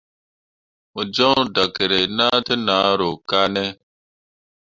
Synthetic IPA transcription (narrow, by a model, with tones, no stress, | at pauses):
mu˨d͡ʒɔ˦ŋda˨ke˨ɾe˨na˦te˦na˨˦ɾo˨ka˦nɛ˦